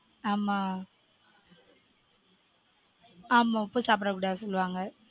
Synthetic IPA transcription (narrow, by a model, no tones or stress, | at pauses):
aːma | aːmaɔpːusaːp̬ɾɐkuɽaːsɔlːɯʋaːŋɡɐ